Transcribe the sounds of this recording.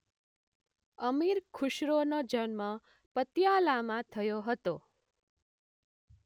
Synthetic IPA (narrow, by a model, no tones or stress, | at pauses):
əmiɾkʰuʃɾonod͡ʒənmã | pət̪jalamãt̪ʰəjoɦət̪o